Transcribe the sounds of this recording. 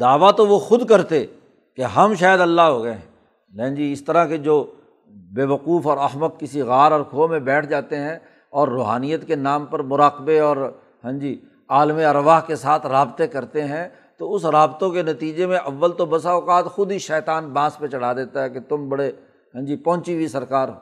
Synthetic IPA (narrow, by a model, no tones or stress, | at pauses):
d̪aːʋat̪oʋoxʊd̪kɐɾt̪e | keɦɐmʃaːjəd̪ɐlːaɦoːɡɐeɦɛ̃ | lɛ̃ːnd͡ʒiɪst̪əɾaked͡ʒoː | beːʋəquːfɔːɾɐɦməd̪̚kɪsiɣaːɾɔːɾkʰoːmẽbɛːʈʰd͡ʒaːt̪eɦɛ̃ | ɔːɾːoːɦaːnijət̪kenaːmpɐɾmʊɾaːqbeɔːɾ | ɦɛ̃d͡ʒiː | aːlmiɐɾʋaːɦkesaːt̪ʰɾaːbt̪ekɐɾt̪eɦɛ̃ | t̪oʊsɾaːbt̪õkenɐt̪iːd͡ʒemẽʔɐʋːəlt̪obɐsaʊqaːt̪xʊd̪iʃɛːt̪aːnbãːspẽt͡ʃɐɽ̤aːd̪eːt̪aɦɛket̪ʊmbɐɽe | ɦɛ̃nd͡ʒiːpɐ̃ɦʊ̃t͡ʃibisɐɾkaːɾ